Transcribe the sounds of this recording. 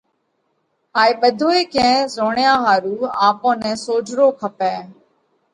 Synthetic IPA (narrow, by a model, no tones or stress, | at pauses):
ɦaːiːɓəd̪ʱoːeːkɛ̃ːzoːɳjãːɦaːɾuːaːpõːnɛ̃ːsoːd͡ʒʱɾoːkʰəpɛ̃ː